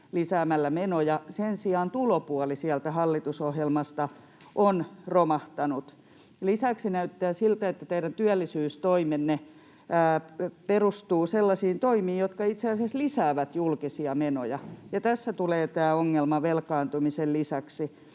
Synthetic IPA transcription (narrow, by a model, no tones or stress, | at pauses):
lisæːmælːæmenojɑsensiɑːnt̪ulopuɑlisiælt̪æhɑlːit̪usohjelmɑst̪ɑ | ʔonromɑht̪ɑnut̪ | lisæksinæyt̪ːæːsilt̪æet̪ːæt̪eiɾænt̪yælːisyːst̪oimenːeː | perust̪uːselːɑsiːnt̪oimiːjjot̪kɑit̪seɑseslisæːʋæt̪julkisiɑmeno̰jɑjɑt̪æsːæt̪uleːt̪æːoŋːelmɑʋelkɑːnt̪umisellisæksi